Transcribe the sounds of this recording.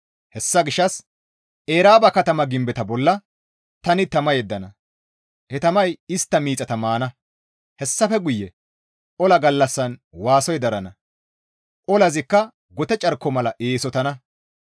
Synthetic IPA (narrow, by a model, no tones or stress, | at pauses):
hɛsːɐɡɪʃːɐs | ʔe̞ːɾaːbɐkɐt̪ɐmɐɡɪmbɛt̪ɐbɔlːɐ | t̪ɐnɪt̪ɐmɐjɛd̪ːɐnɐ | hɛt̪ɐmɐjɪst̪ːɐmiːt͡sʼɐt̪ɐmaːnɐ | hɛsːɐfɛɡʊjːɛ | ʔɔlɐɡɐlːɐsːɐnwaːsɔjd̪ɐɾɐnɐ | ʔɔlɐzɪkːɐ | ɡɔt̪ɛt͡ʃʼɐɾkːɔmɐlɐʔeːsɔt̪ɐnɐ